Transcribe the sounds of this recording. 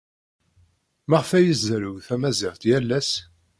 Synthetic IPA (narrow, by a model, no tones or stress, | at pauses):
maʁfæjəzzɾʊwθæmæziʁt̪jælːæs